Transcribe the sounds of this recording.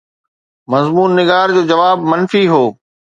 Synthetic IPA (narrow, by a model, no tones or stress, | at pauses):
mɐzmuːnːɪɡaːɾd͡ʑoːd͡ʑɐʋaːbmɐnfiɦoː